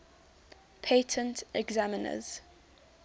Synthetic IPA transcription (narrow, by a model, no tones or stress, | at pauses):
pʰeɪtʰə̃ntʰɛɡzamɪnə̰z̥